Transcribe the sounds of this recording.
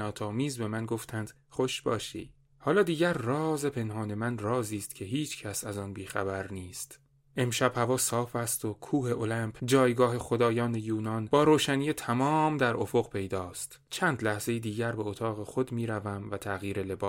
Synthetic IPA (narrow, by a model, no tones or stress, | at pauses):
ɒːt̪ʰɒːmiːzbe̞mænɡo̞ft̪ʰænd̪̥ | χo̞ʃbɒːʃḭː | hɒːlɒːd̪iːɟæɾːɒːze̞pʰe̞nɦɒːne̞mænrɒːziːst̪cʲʰe̞ɦiːt͡ʃʰcʰæsæzɒːnbiːxæbæɾniːst̪ | ʔe̞mʃæb̥hævɒːsɒːfæst̪okʰuːhe̞ʔolæmpʰd͡ʒɒːjɡɒːɦe̞xo̞d̪ɒːjɒːnejuːnɒnb̥ɒːɾoːʃæniːjet̪ʰæmɒːmd̪æɾʔo̞fo̞ɣpʰe̞jd̪ɒːst̪ | t͡ʃʰænd̪læhz̥e̞jiːd̪iːɟæɾbeot̪ʰɒːɣe̞xo̞d̪miːɾævæmvæt̪ʰæɣjiːɾe̞le̞bɒː